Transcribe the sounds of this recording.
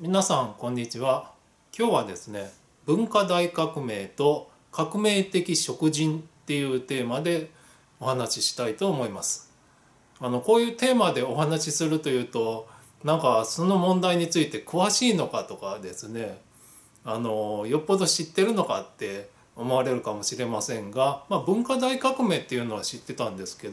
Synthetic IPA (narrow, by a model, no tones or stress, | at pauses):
mʲinasãŋkõ̞ɲ̟ːit͡ɕiβa | kʲo̞ːβad̪e̞sɨne̞ | bɯ̟̃ŋkad̪aikakɯ̟me̞ːt̪o̞ | kakɯ̟me̞ːt̪e̞kʲiɕo̞kɯ̟ʑĩnt̪e̞jɯ̟ːt̪e̞ːmad̪e̞ | o̞hanaɕiɕi̥t̪ait̪o̞ːmo̞imasɨ̥ | ano̞ko̞ːjɯ̟ːt̪e̞ːmad̪e̞o̞ɦanaɕisɨɾɯ̟t̪o̞jɯ̟ːt̪o̞ | nãŋkaso̞no̞mõ̞nd̪aiɲ̟it͡sɨit̪e̞kɯ̟βaɕiːno̞kat̪o̞kad̪e̞sɨne̞ | ano̞jo̞pːo̞d̪o̞ɕit̪ːe̞ɾɯ̟no̞ka̰t̪ːe̞ | o̞mo̞aɾe̞ɾɯ̟kamo̞ɕiɾe̞masẽ̞ŋɡamabɯ̟̃ŋkad̪aikakɯ̟me̞ːt̪ːe̞jɯ̟no̞βaɕit̪ːe̞t̪ãnd̪e̞sɨ̥ke̞d̪o